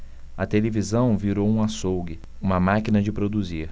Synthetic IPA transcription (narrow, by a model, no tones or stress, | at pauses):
ɐt̪elevizɐ̃w̃viɾowũasowɡɪ | ũmɐmakinɐd͡ʒɪpɾod̪uziɾ